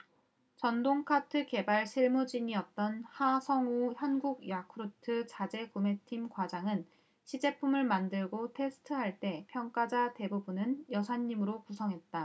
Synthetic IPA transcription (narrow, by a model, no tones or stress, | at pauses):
t͡ɕʌndoŋkʰatʰɯke̞baɭɕʰiɭmud͡ʑiɲiʌt̚t͈ʌnhasʰʌŋuçjʌnɡuɡjakʰɯɾutʰɯt͡ɕad͡ʑe̞kume̞tʰimkwad͡ʑaŋɯn | ɕʰid͡ʑe̞pʰumɯɭmandɯɭɡotʰe̞sʰɯ̥tʰɯɦaɭt͈e̞pʰjʌŋk͈ad͡ʑate̞bubunɯnjʌsʰaɲːimɯɾokusʰʌŋɦe̞t̚t͈a